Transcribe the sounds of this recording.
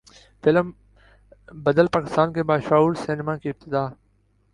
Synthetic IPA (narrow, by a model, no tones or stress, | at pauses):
fɪlm | bəd̪əlpaːkɪst̪aːnkeːbaːʃaːuːɾsɪnɪmãːkiːɪb̚t̪ɪd̪aː